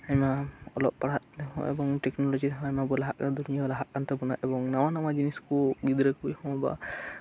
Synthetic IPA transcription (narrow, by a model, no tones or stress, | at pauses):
aɲmaɔlɔp̚paɽat̪̚hɔ̰̃ʔɛ̰bɔŋʈɛknɔlɔd͡ʒit̪ʰaɲmabɔlaɦaʔkand̪unijaɡlaɦaʔkant̪ɛbɔna̰ʔɛbɔŋnamanamad͡ʒiniskuɡid̪ɾəkbujhɔ̃ba̰